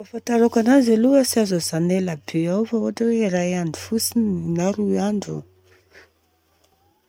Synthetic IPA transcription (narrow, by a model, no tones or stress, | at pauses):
afant̪aɾokananzaluəsiazozanelabeawfaoaʈ͡ʂaweiɾajaɳɖ͡ʐu̥fusinnaɾuaɳɖ͡ʐu